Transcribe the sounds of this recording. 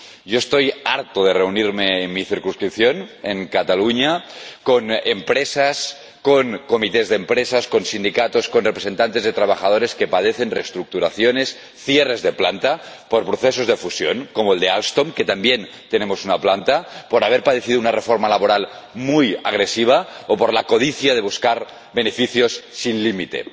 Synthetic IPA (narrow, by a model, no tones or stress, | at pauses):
ʒoest̪ojaɾt̪oð̞ere̞uniɾmeːnmiθiɾkunskɾipθjo̞neŋkat̪aluɲako̞nempɾesas | koŋko̞mit̪ezðempɾesasko̞nsind̪ikat̪oskonrepɾe̞se̞nt̪ant̪e̞zðet̪ɾaβaxað̞oɾe̞ske̞pað̞eθe̞nrḛst̪ɾuk̚t̪uɾaθjone̞s | θjerezðeplant̪a | po̞ɾpɾoθes̬o̞zðefusjoŋko̞moeld̪ealst̪omket̪ambjen | t̪enemo̞sunaplant̪apo̞ɾaβ̞eɾpað̞eθiðounarefoɾmalaβoɾalmuja̰ɣ̞ɾesiβ̞aopoɾlako̞ð̞iθjað̞e̞β̞uskaɾ | be̞nefiθjo̞sːinlimit̪e̞̰